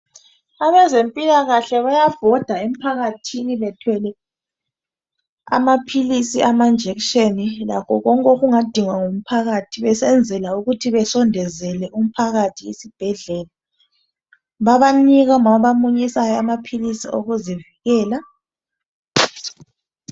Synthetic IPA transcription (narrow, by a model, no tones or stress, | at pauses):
aβɛzempʼilaɣaɬɛβajav̥ɔd̥ʱaem̩pʰaɣatʰiniβɛtʰwɛlɛ | a̰mapʰilisiʔamand͡ʒʱɛkʃenilakʰɔɣɔŋkʼoɣuŋad̥ʱiŋwaŋom̩pʰaɣatʰiβɛsɛnd͡zʱɛlauɣutʰiβɛsɔndʱɛzɛlɛʔum̩pʰaɣatʰiḛsib̥ʱɛɮɛːla | βaβaniɣaŋaɔβamuɲisajɔamapʰilisiʔo̰ɣuziviɣɛːla